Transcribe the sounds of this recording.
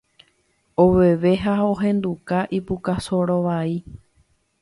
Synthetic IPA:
oʋeʋe̞ɦaoɦẽ̞nd̪ukaʔipukasoɾoʋai

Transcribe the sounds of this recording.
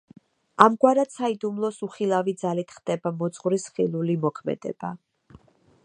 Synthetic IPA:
amɡwaɾad̪said̪umlˠɔsuχilˠavid̪zalit̪ʰχd̪̥ɛbamɔt̪sʼqʼvɾisχilˠulimɔkʰmɛ̰d̪ɛ̰ba

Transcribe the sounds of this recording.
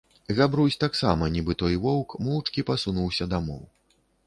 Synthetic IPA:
zʲabɾusʲt̪aksa̰mɐnʲibɨt̪ɔjvɔwkmɔwt͡ʂkʲipasunuwsʲɐd̪amɔw

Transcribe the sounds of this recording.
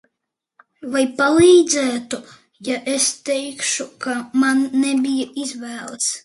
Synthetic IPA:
vajpalˠiːd̪zæːt̪u | jaʔɛst̪ɛjkʃukamanːɛbʲijəizvæːlˠt̪s

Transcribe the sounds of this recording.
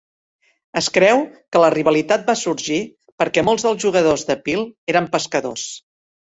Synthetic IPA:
əskɾɛwkələriβəlit̪at̪̚basuɾʒi | pəɾkɛmolˠzðəlˠzʒuɣəðozðəpilˠeɾəmpəskəðo̰s

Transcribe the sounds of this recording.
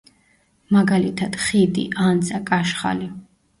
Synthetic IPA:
maɡalit̪ʰad̪̥χid̪ḭʔand̪zʼakʼaʃχa̰li

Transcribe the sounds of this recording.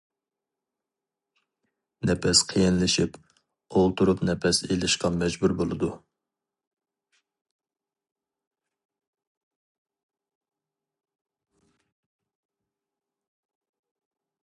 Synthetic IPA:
nɛpʰɛsqʰijinlɪʃip | olˠt̪uɾupnɛpʰɛselɪʃqɑmɛd͡ʒbuɾbolˠɨd̪u

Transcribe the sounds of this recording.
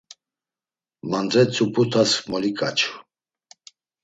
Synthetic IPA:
mand͡zɛt͡sʰupʰut̪ʰasmɔlikʼat͡ʃʰu

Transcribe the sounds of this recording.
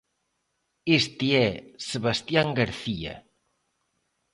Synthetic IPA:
est̪iɛsəβast̪jaŋɡaɾθiɐ̰

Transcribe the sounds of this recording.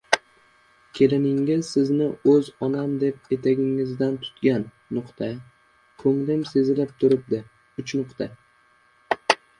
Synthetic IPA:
kʲʰe̞lɪnɪŋɪz̥sɪznɪɵzɒnamd̪e̞p̚e̞t̪ʰaɡʲɪŋɪzd̪ant̪ʰʊ̥t̪ɡʲanːʊqt̪ʰa | kʰɵŋlɪmse̞zɪlɪp̚t̪ʰʊɾɪp̚d̪ɪ | ʊt͡ʃnʊqt̪ʰa

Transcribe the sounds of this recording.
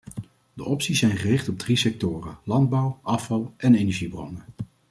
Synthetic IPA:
dəʔɔpsisɛjnχərɪχtɔb̚drisɛk̚tʊːrəlɑnd̚bʌwʔɑfɑlˠʔɛnejnɛɹʒibrɔ̰nə

